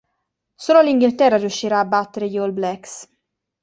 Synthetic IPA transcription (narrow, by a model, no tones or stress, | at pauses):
soːloaliŋɡilt̪ɛrːarjuʃːiɾaːbat̪ːeɾejolblɛks